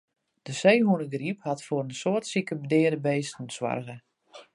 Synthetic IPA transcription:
d̥əsejɦunəɡriphatfoːɾənsoətsikəbədɪədəbeːstn̩swa̰rɣə

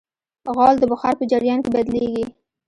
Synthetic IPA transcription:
ɣɑld̪əbaxɑɾpəd͡ʒaɾjɑnkebad̪leɡi

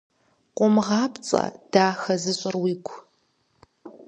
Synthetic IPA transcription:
qʷɔmʁɑːpt͡sʼɐ̰d̥aːxɐzɨɕʼɪrwiːɡʷʰ

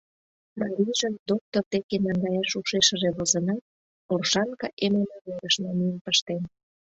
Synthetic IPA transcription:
mɑɾʲijʒənd̪ok̚t̪ort̪ekenɑŋɡɑjɑʃuʃeʃəʒeβozə̆nɑt̪̚ | orʃɑŋkɑʔememɑβeɾəʃmɑnijəmpəʃt̪en

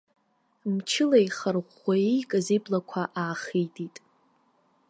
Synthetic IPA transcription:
mt͡ʃʰɪlajχərʁʷaijkʼaziblakʷʰaʔaːχitʼitʼ

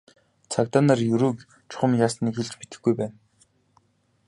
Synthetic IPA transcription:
t͡sʰak̚t̪aːnarjɵɾɵːk | t͡ɕʰʊ̥χə̆mjaːsniːkxeɮt͡ɕpit̪ɘ̆ɡujpæːn

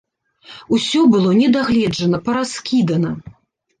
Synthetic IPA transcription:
usʲɔbɨlˠɔnʲɛd̪aɣlʲɛd͡ʐɐnɐpɐɾaskʲid̪ɐnɐ

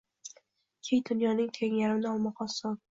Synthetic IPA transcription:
kʲʰejd̪ʊnjɒnɪŋt̪ʰeŋjaɾɪnɪɒlˠmɒqʰɒsɒ

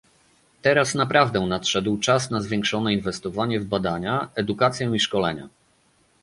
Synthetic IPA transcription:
t̪ɛɾasnapɾavd̪ɛ̃nat̪ʂɛd̪wt͡ʂasnazvʲjɛ̃ŋkʂɔnɛinvɛst̪ɔvaɲɛvbad̪aɲaɛd̪ukat̪sʲjɛ̃iʂkɔlɛɲa̰

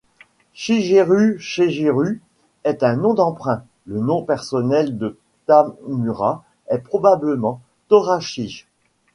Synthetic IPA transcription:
ʃiʒeʁyʃeʒeʁy | ɛt̪ɛ̃nɔ̃d̪ɑ̃pχɛ̃ | lənɔ̃pɛʁsɔnɛld̪ə | t̪ammyʁa | ɛpχɔbabləmɑ̃ | t̪ɔʁaʃiʃ

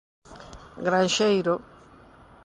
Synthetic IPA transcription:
ɡɾanʃejɾo

